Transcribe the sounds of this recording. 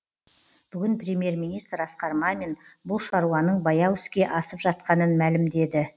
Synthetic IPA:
b̥ʏɡʲɪnprʲemʲje̞ɾmʲijnijst̪ɾɑsqɑɾmɑme̞nbʊlˠʃɑɾuwɑnəɴbɑjɑwʏskʲe̞ʔɑsəpʒɑt̪̚qɑnənmælɪmd̪e̞d̪ɪ

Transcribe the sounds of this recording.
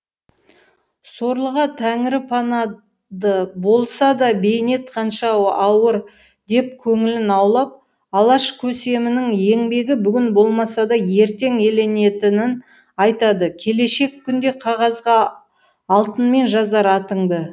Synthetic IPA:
so̞ɾlˠəʁɑt̪ʰæŋɪɾɪpʰɑnɑ | d̪əbo̞lˠsɑd̪ɑbe̞jne̞t̪̚qʰɑnʃɑɑwəɾ | d̪e̞p̚kʲʰɵŋɪlɪnɑwlˠɑp̚ | ɑlˠɑʃkʲʰɵse̞mɪnɪŋje̞ŋbe̞ɡʲɪbʏɡʲɪnbo̞lˠmɑsɑd̪ɑje̞ɾt̪e̞ŋe̞le̞ne̞t̪ɪnɪn | ɑjt̪ɑd̪əkʲʰe̞le̞ʃe̞kʲʰːʏnd̪e̞qʰɑʁɑzʁɑː | lˠt̪ənme̞nʒɑzɑɾɑt̪əɴd̪ə

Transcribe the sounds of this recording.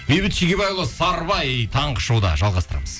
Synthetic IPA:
bejbɪt̪ʃiɡʲebɑjlˠəsɑɾbɑjt̪ʰɑɴqəʃowd̪ɑ̰ʒɑlˠʁɑst̪əɾɑ̰məz̥

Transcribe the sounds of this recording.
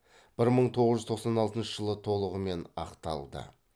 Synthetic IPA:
b̥ɪɾməɴt̪ʰo̞ʁəzʒʏzt̪ʰo̞qsɑnɑlˠt̪ənʃəʒəlˠət̪ʰo̞lˠəʁəme̞nɑ̰qt̪ɑlˠd̪ə̰

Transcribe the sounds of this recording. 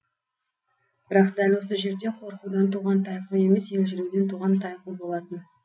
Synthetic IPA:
b̥ɪɾɑqd̪ælʲwo̞səʒe̞ɾd̪e̞qʰo̞ɾqud̪ɑnt̪uʁɑnt̪ʰɑjque̞me̞sje̞lʒɪɾuwd̪e̞nt̪ʰuʁɑnt̪ʰɑjqubo̞lˠɑt̪ən

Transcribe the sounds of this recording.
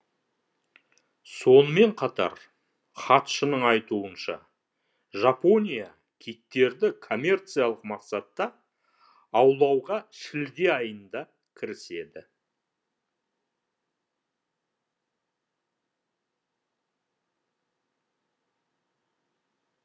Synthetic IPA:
so̞nəme̞ɴqʰɑt̪ɑ̰ɾ | χɑt̪ʃənəɴɑjt̪uənʃɑ̰ | ʒapo̞nʲija | kʲʰik̚t̪e̞ɾd̪ɪkʰo̞mʲe̞rt̪sɨjaɑlˠəqmɑqsɑt̪ːɑ | ɑwlˠɑwʁɑʃɪld̪e̞ɑjənd̪ɑ | kʲʰɪɾɪse̞d̪ɪ

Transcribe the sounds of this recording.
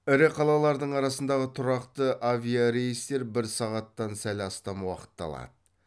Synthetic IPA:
ɪɾeqʰɑlˠɑlˠɑɾd̪əɴɑɾɑsənd̪ɑʁət̪ʰʊɾɑqt̪əʔavʲijaɾe̞jist̪e̞ɾbɪɾsɑʁɑt̪ːɑnsælɑst̪ɑmwɑ̰qə̥t̪ːɑ̰lˠɑ̰d̪̥ə

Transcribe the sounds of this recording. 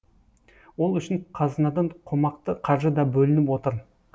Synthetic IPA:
wo̞lˠʏʃɪɴqʰɑzənɑd̪ɑɴqʰo̞mɑqt̪əqʰɑɾʒəd̪ɑbɵlɪnɪpwo̞t̪əɾ

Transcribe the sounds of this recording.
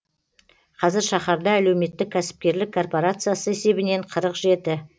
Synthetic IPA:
qʰɑzɪɾʃɑχɑɾd̪ɑːle̞wme̞t̪ːɪkʲʰæsɪ̥p̚kʲe̞ɾlɪkʰːo̞rpo̞ɾat̪sɨjasəe̞se̞bɪne̞ɴqʰəɾəqʒe̞t̪ɪ

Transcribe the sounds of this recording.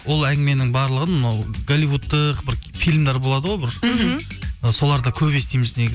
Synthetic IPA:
wo̞lˠæŋɡʲɪme̞nɪŋbɑɾlˠəʁənmənɑwɡ̥olʲijvut̪ːəqbɪɾfilʲmd̪ɑɾbo̞lˠɑd̪əʁojbɪɾ | əso̞lˠɑɾd̪ɑkʲʰɵpest̪ijmɪzneɡʲɪ

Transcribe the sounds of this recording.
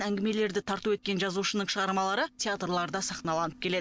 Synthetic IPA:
æŋɡʲɪme̞le̞ɾd̪ɪt̪ʰɑɾt̪uwe̞t̪̚kʲe̞nʒɑzuʃənəɴʃəʁɑɾmɑlˠɑɾət̪ʲeat̪rlˠɑɾd̪ɑsɑχnɑlˠɑnəp̚kʲʰele̞d̪

